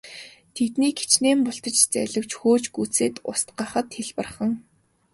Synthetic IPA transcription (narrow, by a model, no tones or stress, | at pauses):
t̪ʰet̪niːɡe̥t͡ɕneːmpʊɬt̪ə̆t͡ɕt͡sæɮə̆w̥t͡ɕxoːt͡ɕɡut͡seːt̪ʊst̪̚ɢaːχə̆t̪xeɮpə̆rχə̆ŋ